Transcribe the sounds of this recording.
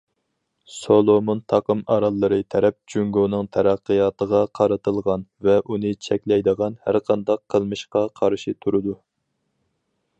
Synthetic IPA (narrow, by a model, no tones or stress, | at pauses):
solˠomont̪ʰɑqəmɑɾɑlˠːɨɾɨt̪ʰɛɾɛp̚d͡ʒyŋɡonɨŋt̪ʰɛɾæqːɨjɑːt̪ʰəʁɑqʰɑɾɨt̪ʰɨlˠʁɑnvɛʔunɨt͡ʃʰɛkʲlɛjd̪əʁɑnhæɾqʰɑnd̪ɑqʰːəlˠmɨʃqɑqʰɑɾʃit̪ʰuɾɨd̪u